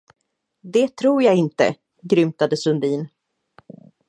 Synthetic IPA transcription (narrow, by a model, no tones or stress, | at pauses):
d̪ɛt̪ʰɾuːɾjaːɪnt̪ə̰ | ɡɾʏmt̪ad̪əsɵnd̪iːn